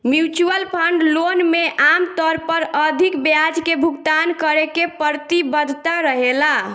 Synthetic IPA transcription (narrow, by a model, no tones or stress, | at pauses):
mjut͡ʃuəlpʰəɳɖlonmeʔamt̪ɔɾpəɾəd̪ʱikbjad͡ʒkebʱuɡt̪ankəɾekepəɾt̪ibəd̪ʱt̪aɾəɦela